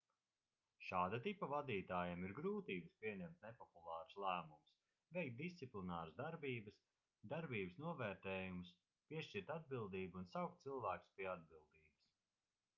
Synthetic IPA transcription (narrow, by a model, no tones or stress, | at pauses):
ʃaːd̪at̪ipɐvad̪iːt̪aːjamiɾɡɾuːt̪iːbɨspʲiɛɲɛmt̪̚nepɔpulˠɑːɾslˠæːmums | vɛjk̚t̪̚d̪ist̪siplinaːɾazd̪aɾbiːbɐs | d̪aɾbiːbəsnuɔvɛːɾt̪ɛːjums | piɛʃt͡ʃiɾt̪ad̪̚bilˠd̪iːbuːnsawk̚t̪̚silˠvæːku̥spiɛad̪̚bilˠd̪iːbɐs